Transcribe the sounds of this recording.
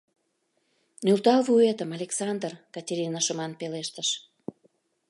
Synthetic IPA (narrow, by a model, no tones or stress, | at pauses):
nylt̪ɑlvuet̪əmɑlʲeksɑnd̪rkɑtʲeɾʲinəʃomɑnpeleʃt̪əʃ